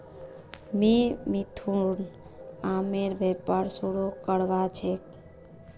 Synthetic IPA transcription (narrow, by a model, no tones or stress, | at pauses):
mimit̪ʰun | ameɾbepaɾsoɽokəɽʋat͡ʃʰek